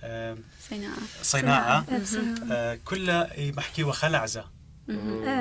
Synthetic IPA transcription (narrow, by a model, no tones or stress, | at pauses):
nasˤɨnaːʕa | kʊlːamaħkiːwaxalaʕza